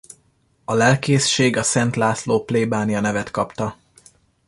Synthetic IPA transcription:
ɒlɛlkeːsʃeːɡɒsɛnt̪laːsloːpleːbaːnijɒnɛvɛt̪kɒpt̪ɒ

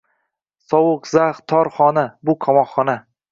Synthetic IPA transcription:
sɒwʊqzaχt̪ʰɒɾχɒnabʊkʰɒmɒχːɒna

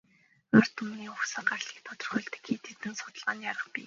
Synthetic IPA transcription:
or̥t̪ʰumniːʊxsə̆ɢarɮiːk̚t̪ʰɔt̪ɞ̆rχœːɮt̪ɘ̥̆kxiːt̪ʰet̪ɘ̆nsʊ̥t̪ə̆ɮʁaːnjaɾə̆χpḭː

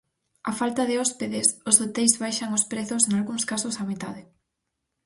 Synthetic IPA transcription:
afalt̪ɐðɪɔspeðesʊsot̪ejzβajʃaŋospɾeθʊseŋalɣuŋskasʊsamit̪aðɪ

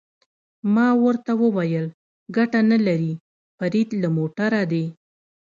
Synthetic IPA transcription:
mɑwəɾt̪awəwajəl | ɡaʈanalaɾi | faɾid̪lamoʈaɾad̪e

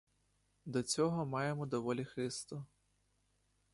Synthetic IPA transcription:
d̪ɔt͡sʲɔɦɔmɑjemɔd̪ɔʋɔlʲixɪst̪ɔ

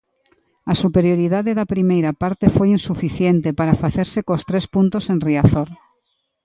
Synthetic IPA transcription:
asupeɾjoɾiðaðeðapɾimejɾapaɾt̪efojinsufiθjent̪epaɾafaθeɾsekost̪ɾespunt̪osenriaθoɾ

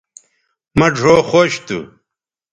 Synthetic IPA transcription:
mɐɖʱoːχoɕt̪ṵ

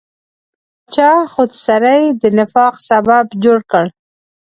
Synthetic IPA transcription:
t͡ʃɑxod̪saɾajd̪ənɪfɑqsababd͡ʒoɽkəɽ

